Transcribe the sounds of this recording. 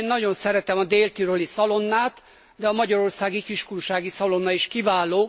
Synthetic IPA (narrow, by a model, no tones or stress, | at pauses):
nːɒɟo̞nsɛɾɛt̪ɛmɒd̪eːlt̪iɾolisɒlo̞nːaːt̪ | d̪ɛɒmɒɟɒɾo̞rsaːɡikiʃkunʃaːɡisɒlo̞nːɒiʃkivaːloː